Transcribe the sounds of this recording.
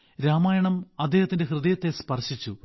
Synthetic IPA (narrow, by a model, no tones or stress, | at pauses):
ɾaːmaːjɐɳɐmɐd̪ʱːe̞ːhɐt̪ːinde̞hrɨðɐjɐt̪ːe̞spɐrɕit͡ɕːu